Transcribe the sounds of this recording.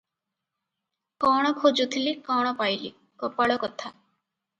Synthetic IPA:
kɔɽ̃ɔkʰod͡ʒut̪ʰilikɔɽ̃ɔpajlḭ | kɔpaɭɔkɔt̪ʰa

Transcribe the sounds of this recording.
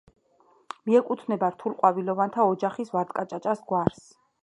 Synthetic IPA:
miɛkʼut̪ʰnɛbaɾt̪ʰulˠqʼwavilɔvant̪ʰaɔd͡ʒaχisvaɾd̪kʼat͡ʃʼat͡ʃʼasɡwaɾs

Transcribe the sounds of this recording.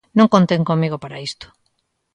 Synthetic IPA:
nõŋkont̪eŋkomiɣopaɾaist̪ʊ̥

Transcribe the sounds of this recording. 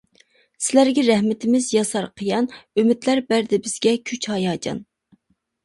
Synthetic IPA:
sɪlæɾɡʲɛɾɛhmɪt̪ʰɪmɪzjɑsɑɾqʰəjɑnømɪd̪læɾbæɾd̪ɪbɪz̥ɡʲɛkʲʰyt͡ʃhɑjɑːd͡ʒɑ̰n

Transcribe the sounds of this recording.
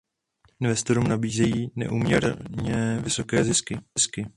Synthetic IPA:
ʔɪnvɛst̪o̞ɾuːmnabiːzɛjiːnɛ̰ʔuːmɲɛ̰ɾɲɛːvɪso̞kɛːzɪskɪɪskɪ

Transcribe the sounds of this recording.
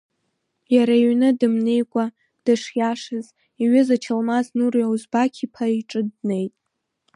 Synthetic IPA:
jaɾaiɥnɨdɨmnejkʷʼa | d̥ɨʂjaʂɨz | iɥɪzat͡ʃʰalmaznurjawuzbakʲʰipʰaiʈ͡ʂʼɨdne̞jtʼ

